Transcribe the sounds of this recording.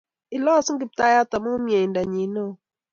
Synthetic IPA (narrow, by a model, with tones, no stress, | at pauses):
ɪ˨lɔ˦sŋ˦ɡɪ˨p̚ta˦ja˦ta˨mɔ˦mjɛ˨nda˨ɲi˨˦no˦